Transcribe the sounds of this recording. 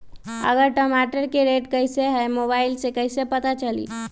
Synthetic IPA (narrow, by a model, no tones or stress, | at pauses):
ə̰ɡəɾʈəmaʈəɾkeɾeʈkəɪseɦɛmobaɪlsekəɪsepət̪at͡ʃəlḭ